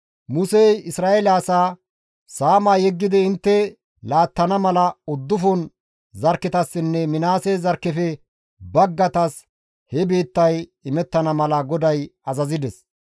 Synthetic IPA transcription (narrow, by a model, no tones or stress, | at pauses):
mʊseɪsɾaːelaːsaː | saːmaːjɛɡːɪd̪ɪɪnt̪ːɛ | laːt̪ːɐnɐmɐlɐʊd̪ːʊfɔn | zɐɾkːɪt̪ɐsːɪnːɛmɪnaːsɛzɐɾkːɛfɛ | bɐɡːɐt̪ɐs | hɛbe̞ːt̪ːɐjɪmɛt̪ːɐnɐmɐlɐɡɔd̪ɐjɐzɐzɪd̪ɛs